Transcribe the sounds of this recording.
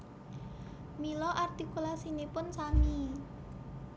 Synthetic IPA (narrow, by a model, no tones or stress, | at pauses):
milɔʔart̪ikulasinepʊnsami